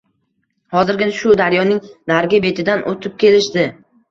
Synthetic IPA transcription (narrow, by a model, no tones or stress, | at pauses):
hɒzɪɾɡʲɪnʃʊd̪aɾjɒnɪŋd̪aɾɡʲɪbe̞t̪ʰɪd̪anʔot̪ʰɪp̚kʲʰe̞lɪʃd̪ɪ